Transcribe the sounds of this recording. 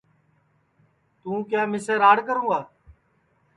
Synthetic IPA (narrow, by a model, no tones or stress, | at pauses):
t̪ũːkjaːmɪsəɾaːɽkəɾũːaː